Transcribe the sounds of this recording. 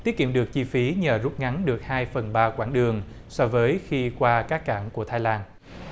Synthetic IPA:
t̪i˦˥ət̚kḭ˧˨əmɗɨ˨˩ək̚t͡ɕi˧fi˨˦ɲəː˨˩zu˦˥p̚ŋa˨˦nɗɨ˨˩ək̚haː˧jfə˨˩nɓaː˧kwaː˧˩ŋɗɨ˨˩əŋ | sɔ˧vəː˨˦jxi˧kwaː˧kaː˦˥kːa̰ː˧˩ŋku˧˩ət̪ʰaː˧jlaː˧n

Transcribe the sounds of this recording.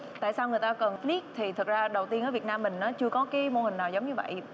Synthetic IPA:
t̪a̰ː˧˨saː˧wŋɨ˨˩əjt̪aː˧kə˨˩nfli˦˥k̚t̪ʰi˨˩t̪ʰə˨˩k̚zaː˧ɗə˨˩wt̪i˧nʔəː˧˦vi˨˩ət̚naː˧mːï˨˩ŋ̟ʔaː˨˦t͡ɕɨ˧əkɔ˨˦kaː˨˦jmo˧hï˨˩ŋ̟naː˨˩wzə˨˦wŋ͡mɲɨ˧və̰˧˨jʔ

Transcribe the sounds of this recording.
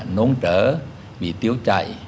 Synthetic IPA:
no˨˧˦nt͡ɕəː˧˩ | ɓḭ˧˨t̪i˨˦əwt͡ɕa̰˧˨j

